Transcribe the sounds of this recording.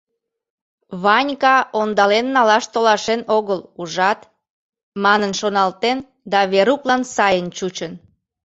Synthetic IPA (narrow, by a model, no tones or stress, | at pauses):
βɑnʲkɑond̪ɑlenːɑlɑʃt̪olɑʃenoɣəluʒɑt̪ | mɑnənʃonɑlt̪en | d̪ɑβeɾuklɑnsɑjənt͡ɕut͡ɕən